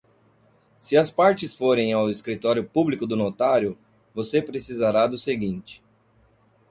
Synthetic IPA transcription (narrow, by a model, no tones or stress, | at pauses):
sɪɐspaɾt͡ʃɪsfoɾẽj̃awɪskɾit̪ɔɾjʊpublikʊd̪ʊnot̪aɾjʊ | vosepɾesizaɾad̪ʊseɡĩnt͡ʃɪ̥